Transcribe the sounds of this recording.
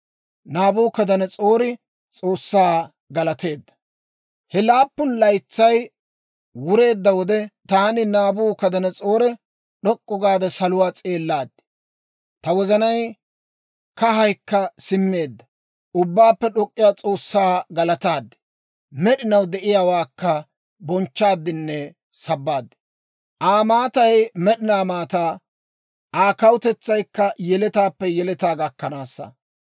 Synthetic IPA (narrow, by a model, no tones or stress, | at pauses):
naːbuːkɐd̪ɐnɛt͡sʼo̞ːɾɪ | t͡sʼo̞ːsːaː | ɡɐlɐt̪e̞ːd̪ːɐ | hɛlaːpːʊnlɐjt͡sːɐj | wʊɾe̞ːd̪ːɐwɔd̪ɛt̪aːnɪnaːbuːkɐd̪ɐnɛt͡sʼo̞ːɾɛ | ɗɔkʼːɔɡaːd̪ɐsɐlʊwaːt͡sʼe̞ːlːaːd̪̥ːɛ̥ | t̪ɐwɔzɐnɐj | kɐɦɐjkːɐsɪmːe̞ːd̪ːɐ | ʔʊbːaːpːɛɗɔkʼːɪjaːt͡sʼo̞ːsːaːɡɐlɐt̪aːd̪ːɛ̥ | mɛɗɪnɐwd̪ɛʔɪjaːwaːkːɐ | bɔnt͡ʃːaːd̪ːɪnːɛ | sɐbːaːd̪ːɛ̥ | ʔaːmaːt̪ɐjmɛɗɪnaːmaːt̪aː | aːkɐwʊt̪ɛt͡sːɐjkːɐjɛlɛt̪aːpːɛjɛlɛt̪aːɡɐkːɐnaːsːɐ̰